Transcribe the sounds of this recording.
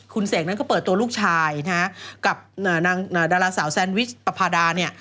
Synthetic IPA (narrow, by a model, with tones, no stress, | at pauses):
kʰu˧nseː˩˦k̚na˦˥nkɔ˥˩pɤː˨˩t̪ːu˧ɐluː˥˩k̚t͡ɕʰaː˧jna˦˥ka˨˩p̚ʔaː˨˩naː˧ŋʔaː˨˩daː˧laː˧saː˩˦wsɛ˧nwi˦˥t͡ɕ̚pa˧pʰaː˧daː˧ni˥˩ɐ